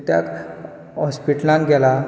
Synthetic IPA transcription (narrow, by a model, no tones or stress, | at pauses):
t̪ja̰k | ɦɔspiʈlãnɡɛla